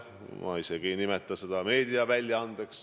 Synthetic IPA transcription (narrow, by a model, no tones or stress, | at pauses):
mɑ̰iseɡ̥inimɛt̪ːˑɑsed̪̥ɑme̞ːd̪̥iɑvælʲjɑɑnd̪̥eks